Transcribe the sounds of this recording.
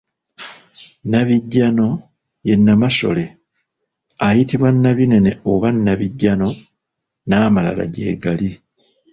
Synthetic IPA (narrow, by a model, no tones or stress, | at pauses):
naβiɟːano̞ | je̞nːamaso̰le̞ | ajitiβwanːaβine̞ne̞oβanːaβiɟːano̞ | naːmala̰la̰ɟe̞̰ːɡali